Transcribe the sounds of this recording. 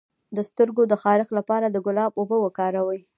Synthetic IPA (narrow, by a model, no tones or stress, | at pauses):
d̪əst̪əɾɡod̪əxɑɾɪxlapɑɾad̪əɡʊlɑbobəwəkɑɾawəj